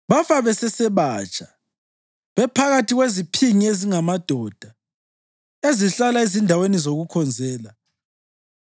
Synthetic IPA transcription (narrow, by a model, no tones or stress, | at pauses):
βafaβɛsɛsɛβat͡ʃʼḁ | βɛpʰaɣatʰiɣwezipʰiŋieziŋamad̥ʱɔd̥ʱa | eziɬalaezindʱawenizoɣukʰɔnd͡zʱɛːla